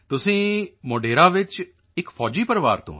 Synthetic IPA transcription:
t̪ʊsĩːmoːɖeːɾãːʋɪt͡ʃ | ɪkfʰɔːd͡ʒiːpəɾʋaːɾt̪õ̰ː

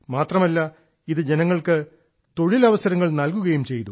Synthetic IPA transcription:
maːt̪rɐmɐlːɐ | iðɨd͡ʑe̞nɐŋːɐɭkɨ | t̪o̞ɻilɐʋɐsɐɾɐŋːɐɭnɐlkuɣɐjumt͡ɕe̞jt̪u

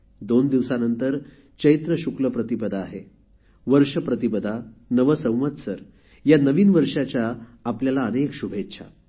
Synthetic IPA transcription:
d̪ond̪iʋsanənt̪əɾ | t͡ɕəit̪ɾəɕukləpɾət̪ibəd̪ʱaːɦe | ʋəɾʂəpɾət̪ibəd̪ʱanəʋəsə̃w̃ʋət̪səɾ | janəʋiːnʋəɾʂat͡ɕjaːpljalaənekɕubʱet̪ːɕʰa̰

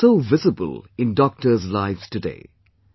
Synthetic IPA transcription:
soʊvɪzəbə̰lˠɪ̃ndɔk̚təzlaɪvz̥tɨdḛː

